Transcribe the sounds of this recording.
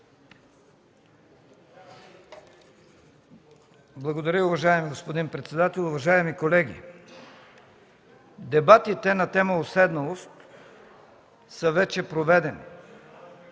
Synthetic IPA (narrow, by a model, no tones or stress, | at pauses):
blˠɐɡod̪ɐɾʲəʊvɐʒaɛmiɡospod̪inpɾɛt̪sɛd̪at̪ɛlˠʊvɐʒaɛmikolɛɡʲḭ | d̪ɛbat̪it̪ɛnɐt̪ɛməosɛd̪nɐlˠost̪ | səvɛt͡ʃɛpɾovɛd̪ɛni